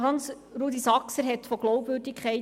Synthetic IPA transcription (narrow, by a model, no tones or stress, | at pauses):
hɑns | ɾuːd̪isɑksəɾɦɛtfɔɡ̥lɔʊpvɵɾdikʰχɛɪ